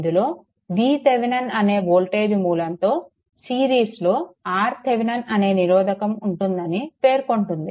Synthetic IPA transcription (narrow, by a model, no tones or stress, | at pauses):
nd̪uloː | ʋiːt̪eʋinɐnɐne̞ːboːlʈe̞ːd͡ʒmuːlɐnt̪o̞ː | siːɾiːslo̞ːaːɾt̪eʋinɐnɐne̞ːniɾɔːd̪ʱɐkɐmuɳʈund̪ɐnipe̞ːɾukoɳʈund̪i